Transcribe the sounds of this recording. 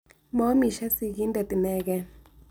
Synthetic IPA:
mɔ˨˦mi˨ʃɛ˦si˦˨ɣi˦ndɛ˨t̪i˨nɛː˦ɣɛ˦

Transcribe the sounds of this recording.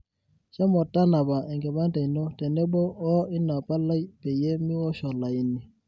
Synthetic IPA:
ʃɛ˦mɔ˨tːa˦na˨ba˨ʔɛ˨ŋɡɛ˨ba˦nta˨jnɔ˦tɛ˨nɛ˦bɔ˦ɔ˦i˦na˨pa˦la˦jpɛ˨je˦mi˦wɔ˦ʃɔ˨la˨ji˦nːi˨

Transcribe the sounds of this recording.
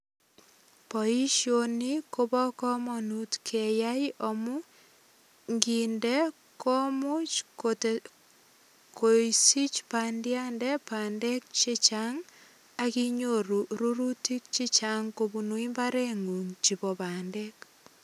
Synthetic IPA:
pɔ˨i˦ʃjoni˦ko˦bɔ˦kɔ˦mɔnu˦tkʰɛ˨ja˦jo˨mu˦ | ŋɡindɛ˦ | kɔ˦mu˦t͡ʃkot | ko˨isi˦t͡ʃpandja˦ndɛpa˨ndɛ˦k̚t͡ʃi˦t͡ʃaŋ | a˦ki˦ɲo˦ɾu˨ɾu˦ɾu˦ti˦k̚t͡ʃi˦t͡ʃaŋko˨bu˨nu˦i˦mba˦ɾe˦ŋu˨ŋt͡ʃi˨bɔ˨pa˨ndɛk

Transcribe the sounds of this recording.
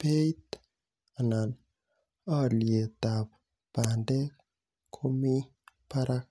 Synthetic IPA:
pe˦it̪ | a˨na˨n | a˦lje˨t̪a˨p | b̥a˨ndɛ˦ | kʰo˦mi˦ | pa˦ɾʔa˦k

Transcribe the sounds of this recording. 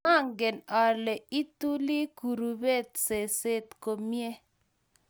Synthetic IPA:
a˦˨ŋɡe˨nɔ˨lɛ˨i˦t̪u˦li˦ku˨ɾu˨be˦˨t̪̚se˨se˦t̪ko˨mjɛ˦

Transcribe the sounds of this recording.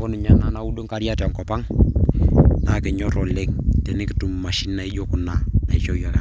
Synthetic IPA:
o˦ni˨ɲa˦na˦na˦u˦ɗo˦ŋka˦ɾja˦tŋkɔ˨pa˦ŋ | na˨ke˨ɲɔ˦ɾɔ˨le˦ŋte˨nɪ˦ki˦tu˨mma˨ʃi˦nːa˨i˦d͡ʒo˦ku˨na˨na˨i˨t͡ʃo˦jɔ˦˨ɾa˨

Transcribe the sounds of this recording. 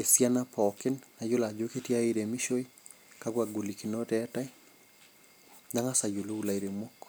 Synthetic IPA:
e˨sja˦na˦pʰɔkɪ˦nːa˨d͡ʒo˦la˨d͡ʒoke˦tji˦a˦iɾe˨mi˦ʃo˦i˦ | kakwaɡu˨li˨ki˨no˦tɛta˦j | da˦ŋa˦sa˨d͡ʒu˨lu˦u˦la˨iɾemwɔ˦k

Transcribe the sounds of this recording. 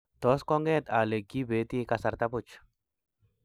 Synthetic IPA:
t̪ɔ˨˦skɔ˦ŋɡɛ˦˨t̪a˨le˨ɡi˦be˨˦t̪i˦ka˧sa˨ɾt̪a˦pu˦˨t͡ʃ

